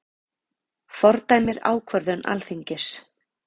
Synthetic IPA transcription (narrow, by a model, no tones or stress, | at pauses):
fɔɾt̪aːjmɪɾa̰ːwkʰvœɾðʏna̰lθiɲcɪs